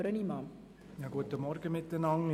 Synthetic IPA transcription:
ɾənimɑ | jɑːɡuətəmɔrɡəmɪtːənɑŋ

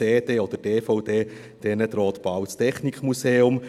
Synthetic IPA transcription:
eːdeːod̥̪əteːfɔʊdeː | d̥ɛnət̪ɾɔːt̪b̥awt͡stʰɛχnikmuseːʊm

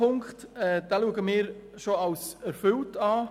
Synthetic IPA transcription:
ʊŋkχtɛd̥ɛːluəɡəmɪːɾʃoɑwsɛɾfʏltɑː

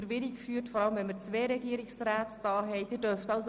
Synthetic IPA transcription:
ɾʋɪɾɪkfyːɾtfɔɾɑləmvɛnməɾt͡sʋɛːɾɛɡiəɾɪksraːtd̥ɑːɦɛɪd̥ɪːdœɾftɑʊs

